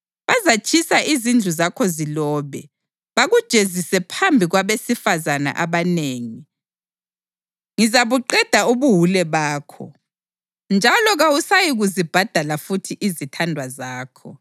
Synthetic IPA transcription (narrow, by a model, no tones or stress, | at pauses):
βazat͡ʃʰʼisaʔizind͡ɮʱuzakʰɔzilɔːβɛ | βaɣud̥ʒ̥ʱezisɛpʰambʱiɣwaβesifazana̰ʔaβaneːŋi | ŋizaβuǃɛd̥ʱauβuɦulɛβaːkʰɔ̰ | nd͡ʒʱalɔɣawusajiɣuzib̥ʱad̥ʱalafutʰiʔizitʰandʱwazaːkʰɔ